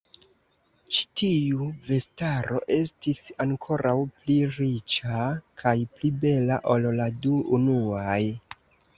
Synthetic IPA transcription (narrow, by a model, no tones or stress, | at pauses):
t͡ʃi̥tiuve̞staɾo̞̰ʔe̞stisaŋkʰo̞ɾʔawpliɾit͡ʃakʰajplibe̞laʔolladuunuaj